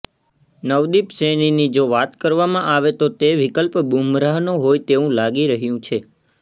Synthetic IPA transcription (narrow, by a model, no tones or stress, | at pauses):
nəʋd̪ipseninid͡ʒoʋat̪kəɾʋamãʔaʋet̪ot̪eʋikəlpbumɾaɦnoɦojt̪eʋũlaɡiɾəɦjũt͡ʃʰe